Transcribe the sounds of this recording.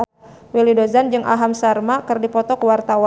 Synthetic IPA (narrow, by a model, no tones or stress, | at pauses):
wilidozand͡ʒɨŋʔa̰ɦamsarmakɨrdipɔt̪ɔkəwart̪awa